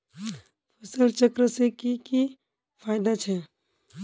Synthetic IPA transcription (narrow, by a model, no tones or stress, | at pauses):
pʰəsəlt͡ʃəkɾəsekiki | pʰaɪd̪at͡ʃʰɛ